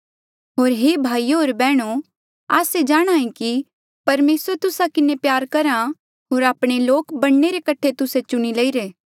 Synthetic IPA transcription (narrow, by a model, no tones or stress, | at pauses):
ɦoːɾɦebʱaːijɦoːɾbɛːɽ̃o | a̰ːsed͡ʒaːɽ̃aːĩki | pɐɾmeːsəɾt̪ʊsakɪnepjaːɾkɐɾã | ɦoːɾaːpɽ̃eloːkbɐɽneɾekɐʈʰet̪ʊset͡ʃʊɽ̃ilɐiɾeː